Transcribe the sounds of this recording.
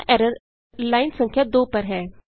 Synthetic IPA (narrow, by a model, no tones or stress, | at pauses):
ʔɛɾəɾ | laːinsə̃ŋkʰjad̪oːpəɾɦɛː